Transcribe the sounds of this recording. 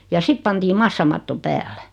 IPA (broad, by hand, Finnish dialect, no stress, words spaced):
jɑ sit pɑntiː mɑsːɑmɑtːo pæːlːæ̥